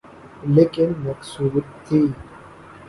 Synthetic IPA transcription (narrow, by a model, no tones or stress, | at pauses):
leːkɪnmɐksuːbt̪ʰːiː